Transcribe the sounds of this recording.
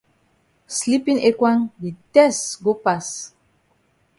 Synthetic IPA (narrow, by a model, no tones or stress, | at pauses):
slipĩnekwãŋditɛstɡopas